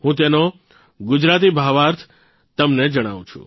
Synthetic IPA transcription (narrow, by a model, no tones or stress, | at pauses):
ɦũt̪̬eno | ɡʊd͡ʒɾat̪̬ibʱaʋaɾt̪ʰ | t̪əmned͡ʒəɽ̃a̰ʋṵ̃t͡ʃʰṵ̃